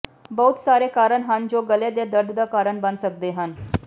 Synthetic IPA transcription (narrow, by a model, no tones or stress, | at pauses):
bəɦut̪saɾekaɾəɳɦãnd͡ʑoɡəled̪jad̪əɾd̪ʱd̪akaɾəɳbãnd̪sək̚d̪eɦan